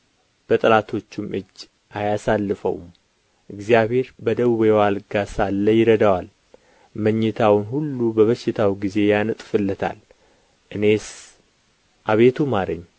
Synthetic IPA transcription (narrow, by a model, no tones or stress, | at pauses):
b̥ət̪ʼlat̪ʰo̞t͡ʃːumɨd͡ʒː | ʔajasalːɨfə̰wm | ʔɨɡzijaβhe̞ɾbəd̪əβuβewalɡasalːəjɪɾəd̪awal | məɲːɨt̪ʰawɨnhulːubəβəʃːɪt̪ʰawɡize̞janɨt̪ʼfɨlːət̪ʰa̰l | ʔɨne̞s | ʔaβe̞t̪ʰumaɾə̰ɲː